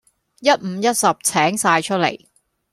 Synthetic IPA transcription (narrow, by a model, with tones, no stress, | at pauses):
jɐ˥t̚m̩˨˧jɐ˥t̚sɐ˨p̚t͡sʰɛː˨˥ŋsaː˧jt͡ʃʰɵ˥t̚lḛ˨˩j